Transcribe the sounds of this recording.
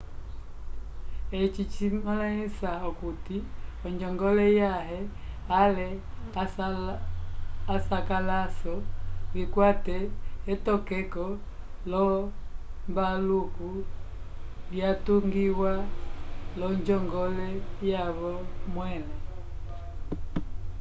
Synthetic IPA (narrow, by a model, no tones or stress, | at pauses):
ɛt͡ʃit͡ʃimalaisaɔkutiɔɲd͡ʒɔŋɡɔlɛjaɦɛ | alɛa | asakalasɔβikwatɛːtɔkɛkɔlɔ | mbaluku | ljatuŋɡiwa | lɔɲd͡ʒɔŋɡɔlɛjaβɔmwɛlɛ